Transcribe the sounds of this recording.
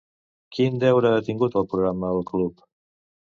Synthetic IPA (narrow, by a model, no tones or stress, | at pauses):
kʰind̪ɛwɾəət̪iŋɡut̪əlˠpɾuɣɾamːəəlˠklup